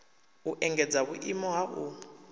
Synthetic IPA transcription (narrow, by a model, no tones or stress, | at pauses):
uʔɛŋɡɛd͡zaβuʔimɔɦaʔu